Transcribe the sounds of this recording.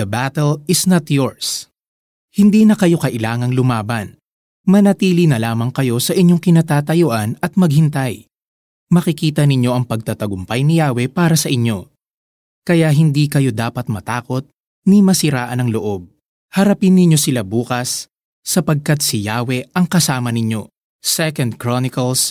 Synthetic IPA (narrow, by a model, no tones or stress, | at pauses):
ɐbat̪ɛlɪsnɐt̪joɹs | hɪnd̪iːnɐkɐjo̞kɐʔɪlaːŋɐŋlʊmaːbɐn | mɐnɐt̪iːlinɐlaːmɐŋkɐjo̞sɐʔɪɲjo̞ŋkɪnɐt̪aːt̪ɐjoʔanɐt̪̚mɐɡ̚hɪnt̪aj | mɐkɪkiːt̪ɐnɪɲjo̞ʔɐŋpɐɡ̚t̪ɐt̪ɐɡʊmpajnɪjaːwɛpaːɾɐsɐʔɪɲo̞ | kɐjaɦɪnd̪ikɐjo̞d̪aːpɐt̪̚mɐt̪aːko̞t̪̚ | nɪmɐsɪɾaːʔɐnɐŋloʔo̞b̚ | hɐɾɐpɪnːɪɲjo̞sɪlabuːkɐsː | ɐpɐɡ̚kɐt̪sɪjaːwɛʔɐŋkɐsaːmɐnɪɲo̞ | sɛkɐnd̪̚kɹonɪkɐls